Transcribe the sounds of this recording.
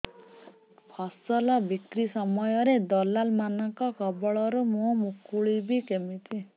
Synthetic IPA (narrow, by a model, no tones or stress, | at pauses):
pʰɔsɔlɔbikɾisɔmɔjɔɾed̪ɔlalmanɔŋkɔkɔbɔɭɔɾumũmukuɭibikemit̪ʰi